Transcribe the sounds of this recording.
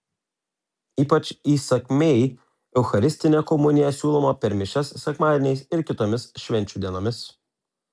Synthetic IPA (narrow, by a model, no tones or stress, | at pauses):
iːpɐt͡ʃʲiːsɐkʲmʲɛɪ | ɛʊxɐɾʲɪsʲt̪ʲɪnʲɛkɔmʊnʲɪjɛsʲuːlˠɔmɐpʲɛɾmʲɪʃʲɛsːʲɛkmɑːd̪ʲɪnʲɛɪsɪɾkʲɪt̪oːmʲɪsʃʲʋʲɛnʲt͡ʃʲuːd̪ʲiɛnoːmʲɪs